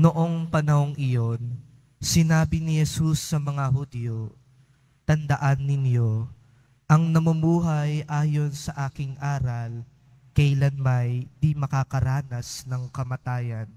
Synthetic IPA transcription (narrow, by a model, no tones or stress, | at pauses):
noʔo̞ŋpɐnɐho̞ŋʔɪjo̞n | sɪnaːbɪnɪhɛsusːɐmɐŋahud̪jo | t̪ɐnd̪ɐʔanːɪnjo̞ | ʔɐŋnɐmumuːɦɐjʔaːjo̞nsɐʔaːkɪŋʔaːɾɐl | kɐʔlɐnmɐjd̪imɐkakɐɾaːnɐsnɐŋkɐmɐt̪aːjɐn